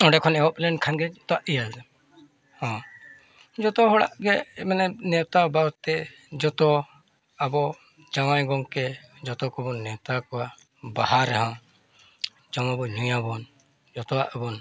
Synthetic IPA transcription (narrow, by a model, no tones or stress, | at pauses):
ɔ̃ɖɛkʰɔnɛɔplɛnkʰanɡɛt̪ɔaʔijald̪ɛ | hɔ̃ | d͡ʒɔt̪ɔɦɔɽa̰ʔɡɛmanɛnɛwt̪aubaɔt̪ɛ | d͡ʒɔt̪ɔ | abɔ | d͡ʒawãjɡɔŋkɛ | d͡ʒɔt̪ɔkɔbɔnːɛwt̪akɔwa | bahaɾɛɦã | d͡ʒɔmabɔɲujãbɔn | d͡ʒɔt̪ɔwaʔɔbɔn